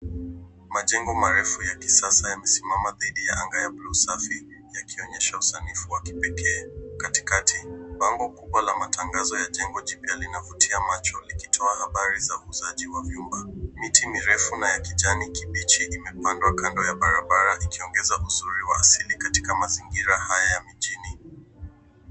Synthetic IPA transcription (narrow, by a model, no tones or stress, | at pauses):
maʄɛŋɡɔmaɾɛfujaki̥sasajamɛsimamaðiɗijaʔaŋɡajaɓlusafi | jakʰiɔɲɛʃausanifuwaki̥pɛkʰɛːkati̥katʰiɓaŋɡɔkuɓwalamatʰaŋɡazɔjaʄɛŋɡɔʄipialinavutʰiamat͡ʃɔlikitʰɔahaɓaɾizaːzaʄiwaviumbamitimiɾɛfunajakiʄanikiɓit͡ʃiʔimɛpandwakandɔjaɓaɾaɓaɾaʔikiɔŋɡɛzaʔuzuɾiwaːsilikati̥kamaziŋɡiɾahajajamiʄini